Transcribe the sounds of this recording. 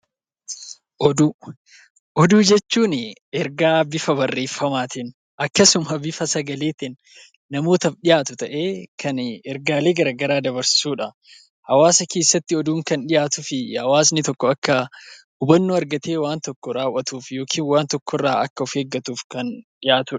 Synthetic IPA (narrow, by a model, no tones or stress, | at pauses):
ʔɔd̪u | ʔɔd̪uːd͡ʒɛt͡ʃːuːnɪɛɾɡaːbɪfɐbɐrːe̞ːfːɐmaːt̪ɪn | ɐkːɐsʊmɐbɪfɐsɐɡɐle̞ːt̪ɪnː | ɐmo̞ːt̪ɐfᶑɪjaːt̪ʊt̪ɐʔe̞ːkʰɐnɛɾɡaːleːɡɐɾɐːɡɐɾaːd̪ɐbɐɾsɪ̥suːᶑɐ | hɐwaːsɐke̞ːsːɐt̪ːɪɔd̪uːŋkɐnᶑɪjaːt̪ʊfɪhɐwaːs̬nɪt̪ɔkːɔɐkːɐ | ʊbɐnːuɐɾɡɐt̪eːwaːnt̪ɔkːɔɾaːʊʔɐt̪uːfjo̞ːkʰiːnwaːnt̪ɔkːɔrːaːɐkːɐʊfeːɡːɐt̪uːfkɐnɗɪjaːt̪ʊᶑ